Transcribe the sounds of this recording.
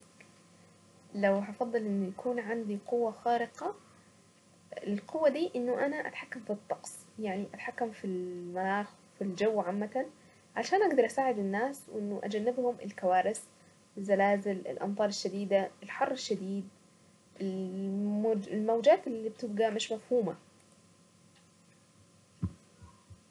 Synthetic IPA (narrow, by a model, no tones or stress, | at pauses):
lawhɑfɑd̪ˤːɨlʔɪnːujakʰuːnʕand̪iqʊwːaxaːɾɪqɑ | ɪlqʊwːad̪iːʔɪnːʊʔanaʔat̪ħakːamfit̪ˤːɑqsˤjaʕniʔat̪ħakːamfilmanaːx | fild͡ʒawːʕamːat̪an | ʕaʃaːnʔaɡd̪ɑɾˤʔasaːʕɪd̪ɪnːaːswʔɪnːʊʔa̰d͡ʒanːɪbhʊmʔɪ̰lkawaːɾɪs | ɪzːalaːzɪlɪ̰lʔɑ̰mt̪ˤɑːɾˤɪʃːad̪iːd̪aɪlħɑrˤːɪʃːad̪iːd̪̚ | ʔɪmɪlmawd͡ʒaːt̪ɪlːiːb̚t̪ɪb̚ɡamɪʃmafhuːma